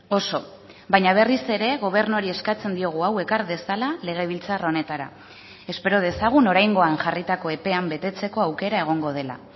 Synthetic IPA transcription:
o̞so̞ | bajɲaβ̞e̞rise̞ɾe̞ɣo̞β̞e̞ɾnuaɾie̞skat͡se̞nd̪io̞ɣ̞uawe̞kaɾðe̞salale̞ɣ̞e̞β̞ilt͡saro̞ne̞t̪aɾa̰ | e̞spe̞ɾo̞ð̞e̞saɣ̞uno̞ɾajŋɡo̞anʝarit̪ako̞e̞pe̞ambe̞t̪e̞t͡se̞ko̞awke̞ɾae̞ɣ̞o̞ŋɡo̞ð̞e̞la̰

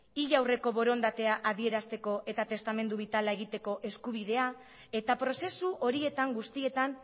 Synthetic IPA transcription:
iʎawre̞ko̞βo̞ɾo̞nd̪at̪e̞aʔaðie̞ɾast̪e̞ko̞ʔe̞t̪at̪e̞st̪ame̞nd̪uβ̞it̪alae̞ɣ̞it̪e̞ko̞ʔe̞skuβ̞iðe̞a | e̞t̪apɾo̞se̞suʔo̞ɾie̞t̪aŋɡust̪ie̞t̪an

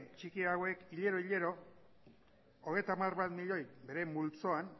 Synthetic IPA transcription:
t͡ʃikiawe̞kiʎe̞ɾo̞iʎe̞ɾo̞ | oɣe̞jt̪amarβat̪miʎo̞jbe̞ɾe̞mult͡so̞an

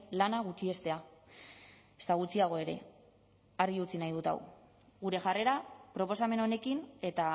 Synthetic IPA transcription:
lanaɣut͡ʃie̞st̪e̞a | esaɣ̞ut͡siaɣ̞o̞eɾe̞̰ | arɣiut͡sinajðut̪a̰w | ɣuɾe̞ʝare̞ɾapɾo̞po̞same̞no̞ne̞kine̞t̪a

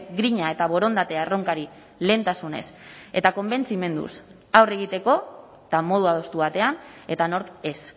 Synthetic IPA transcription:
ɡɾiɲae̞t̪aβ̞o̞ɾo̞nd̪at̪e̞aro̞ŋkaɾi | le̞ːnt̪asune̞̰set̪ako̞mbe̞nt͡sime̞nd̪ṵs | awre̞ɣ̞it̪e̞ko̞ | t̪amo̞ð̞uað̞o̞st̪uβat̪e̞ane̞t̪ano̞ɾke̞s

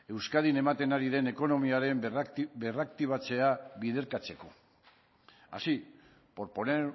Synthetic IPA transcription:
e̞wskaðine̞mat̪e̞naɾiðe̞ne̞ko̞no̞miaɾe̞mbe̞rak̚t̪iβ̞at͡se̞aβiðe̞ɾkat͡se̞ko̞ | a̰si | po̞ɾpo̞ne

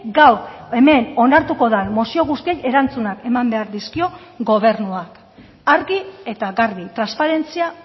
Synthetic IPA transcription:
ɡawe̞me̞no̞naɾt̪uko̞ðanmosio̞ɣ̞ust̪ie̞je̞ɾant͡sunake̞mambe̞aɾðiskio̞ | ɡo̞β̞e̞ɾnuak | aɾɣie̞t̪aɣaɾβit̪ɾanspaɾe̞nt͡sia

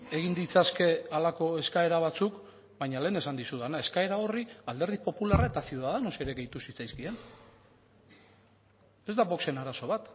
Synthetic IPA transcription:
e̞ɣ̞ind̪it͡saske̞alako̞e̞skae̞ɾaβ̞at͡suk | bajɲale̞ːnesand̪isuðanae̞skae̞ɾao̞riald̪e̞ɾð̞ipo̞pularaet̪asiuðaðeno̞sieɾeɣe̞jt̪usit͡sajskie̞n | e̞zd̪aβo̞kse̞naɾaso̞βat̪

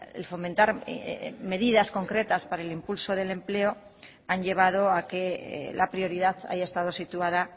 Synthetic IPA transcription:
ḛlfo̞ment̪aɾ | me̞ðiðasko̞ŋkɾe̞t̪aspaɾaelimpulso̞ð̞e̞le̞mple̞o̞ | aɲʎe̞β̞að̞o̞ake̞̰lʔapɾio̞ɾiðaθa̰ʝaest̪að̞o̞sit̪uað̞a

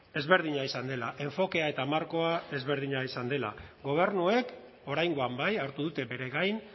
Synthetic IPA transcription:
e̞zβe̞ɾð̞iɲaisand̪e̞laʔe̞ɱfo̞ke̞ae̞t̪aːmaɾko̞ae̞zβe̞ɾðiɲaisand̪e̞la̰ɡo̞β̞e̞ɾnue̞k | o̞ɾajŋɡo̞ambajaɾt̪uðut̪e̞be̞ɾe̞ɣajn

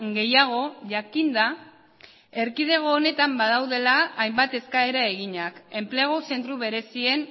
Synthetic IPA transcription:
ɡe̞jaɣ̞o̞ʝakind̪a | e̞ɾkið̞e̞ɣ̞o̞ːne̞t̪ambað̞awðe̞laːjmbat̪e̞skae̞ɾae̞ɣiɲake̞mpleɣ̞ose̞nt̪ɾuβe̞ɾe̞sie̞n

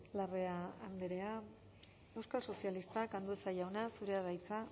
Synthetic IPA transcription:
lare̞aːnd̪eɾe̞a | e̞wskalso̞sialist̪akand̪uesajawnasuɾe̞að̞ajt͡sa

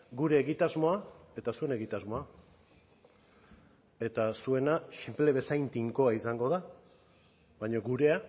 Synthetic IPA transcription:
ɡuɾe̞ːɣit̪azmo̞ae̞t̪asue̞ne̞ɣ̞it̪azmo̞a | e̞t̪asue̞nasimple̞βe̞sajnt̪iŋko̞aisaŋɡo̞ð̞a | βaɲo̞ɡuɾe̞a

